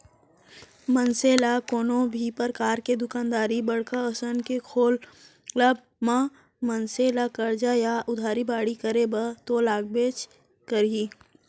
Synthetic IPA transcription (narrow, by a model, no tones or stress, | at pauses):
mənseːlakoːnõbʱipəɾkaːɾked̪ʊkaːnd̪aːɾibəɽ̤kaəsənkekʰoːl | ləb̚ | mã | mənseːlakəɾd͡ʒajaʔʊd̪ʱaːɾibaːɽikəɾebət̪olaːɡ̚beːt͡ʃ | kəɾiː